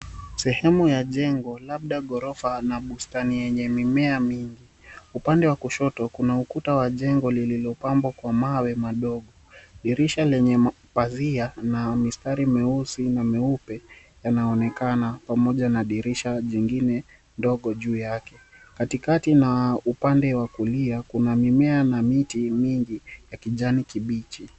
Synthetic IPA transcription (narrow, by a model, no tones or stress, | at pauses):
sɛhɛmujaʄɛŋɡɔlaɓ̚ɗaɠɔɾɔfanaɓustanijɛɲɛmimɛamiŋɡiupandɛwakuʃɔtɔkunaukutawaʄɛŋɡɔlililɔpambwakwamawɛmaɗɔɠɔ | ɗiɾiʃalɛɲɛ | pazianamistaɾimɛusinamɛupɛ | janaɔnɛkanapamɔʄanaɗiɾiʃaʄiŋɡinɛ | ndɔɠɔʄuːjakɛ | katikatinaupandɛwakuliakunamimɛanamitimiŋɡijakiʄanikiɓit͡ʃi